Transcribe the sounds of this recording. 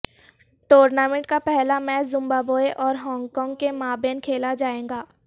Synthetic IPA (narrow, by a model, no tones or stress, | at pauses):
ʈoːɾnaːmɛ̃ɳʈ̚kapɛɦlamɛ̃ːzʊ̃mbaːboːeʔɔːɾɦɔ̃ːŋɡkɔːŋɡ̚kemaːbeːnkʰeːlad͡ʒaːẽːŋɡaː